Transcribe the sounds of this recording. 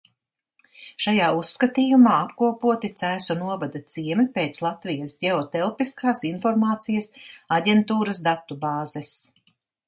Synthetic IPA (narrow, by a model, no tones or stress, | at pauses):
ʃajaːusːkɐt̪iːjumaːapkuɔpuɔt̪it̪sæːsɔnuɔvad̪ɐt̪siɛmipeːt̪slˠat̪vijɐsɟʲɛɔt̪ɛlˠpiskaːsinfɔɾmaːt̪sijɐsaɟʲɛnt̪uːɾɐs̬d̪at̪ubaːzɛs